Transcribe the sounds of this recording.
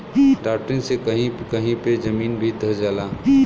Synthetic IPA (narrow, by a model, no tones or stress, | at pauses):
ɖaːp̚ʈɾɪnsekəɦĩkəɦĩped͡ʒɐmiːnbʱid̪əd͡ʒəlaː